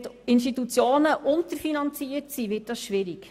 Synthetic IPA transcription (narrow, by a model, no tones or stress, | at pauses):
tɪnʃ̬titut͡sjoːnəʔʊntəɾfinɑnt͡siːətsiʋɪːt̚d̥ɑsʃʋɪɾik